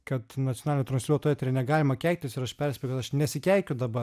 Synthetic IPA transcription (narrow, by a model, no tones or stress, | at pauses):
kɐt̪nɐtt͡s̪ʲɪonɑlʲɪnʲoːt̪ɾɐnslʲuːɔt̪oːjɛt̪ʲɪɾɐnʲɛɡɑːlʲɪmɐkʲɛɪk̚ʲt̪ʲɪsɪɾɐʃpʲɛɾʲsʲpʲɛjʊkɐt̪ɐʃnʲɛsʲɪkʲæˑɪkʲʊd̪ɐbɐ